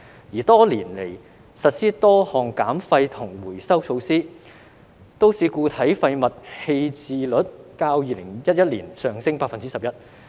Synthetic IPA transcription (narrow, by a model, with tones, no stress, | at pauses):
jiː˨˩t̪ɔː˥liː˨˩nle˨˩j | sɐ˨t̚siː˥t̪ɔː˥hɔː˨˩ŋkaː˨˥mfɐ˧jt̪ʰʊ˨˩ŋwuː˨˩jsɐ˥wt͡ʃʰo˧wsiː˥ | t̪o˥wsiː˨˧kuː˧t̪ʰɐ˨˥jfɐ˧jmɐ˨t̚he˧jt͡siː˨˧lɵ˨˥t̚kaː˧wjiː˨˧lɪ˨˩ŋjɐ˥t̚jɐ˥t̚lḭː˨˩nsœː˨ŋsɪ˥ŋpaː˧kfɐ˨nt͡siː˥sɐ˨p̚jɐ˥t̚